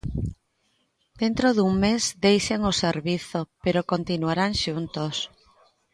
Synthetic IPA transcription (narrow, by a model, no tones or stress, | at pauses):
d̪̥ent̪ɾoðuŋmezd̪ejʃaŋoseɾβiθopeɾokont̪inuaɾaŋʃunt̪os